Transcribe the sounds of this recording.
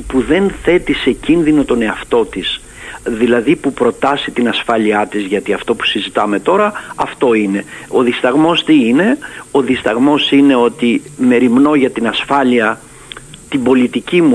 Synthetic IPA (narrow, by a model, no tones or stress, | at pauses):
puðe̞nθe̞t̪ise̞cinðino̞t̪o̞ne̞ɐft̪o̞t̪is | ðilɐðipupɾo̞t̪ɐsit̪inɐsfɐʎiɐt̪izʝɐt̪iɐft̪o̞pu̥sizit̪ɐme̞t̪o̞ɾɐɐft̪o̞ine̞o̞ðist̪ɐɣmo̞st̪iine̞o̞ðist̪ɐɣmo̞sine̞o̞t̪ime̞ɾimno̞ʝɐt̪inɐsfɐliɐ | t̪imbo̞lit̪icimu